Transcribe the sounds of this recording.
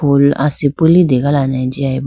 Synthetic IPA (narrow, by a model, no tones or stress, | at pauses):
ola̰sipelidekalanãd͡ʒiaib